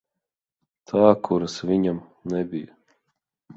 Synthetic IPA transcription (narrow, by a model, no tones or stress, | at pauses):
t̪ʰaːkʰuɾasvʲiɲamnɛbʲija